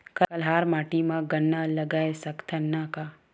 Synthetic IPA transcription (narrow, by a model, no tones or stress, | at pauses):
kɐɐlɦaːɾmaːʈimãɡɐnːalɐɡaːesɐkt̪ʰɐnːaka